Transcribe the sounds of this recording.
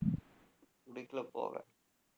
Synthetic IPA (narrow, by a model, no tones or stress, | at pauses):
kʊɽɪkːɪlɐpo̰ːɣɐ̰